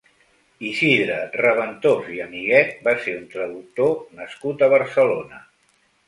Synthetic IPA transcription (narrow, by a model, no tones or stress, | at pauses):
isiðɾərəβ̞ənt̪oziəmiɣɛt̪̚baseɾunt̪ɾəðuk̚t̪onəskut̪əβ̞əɾsəlonə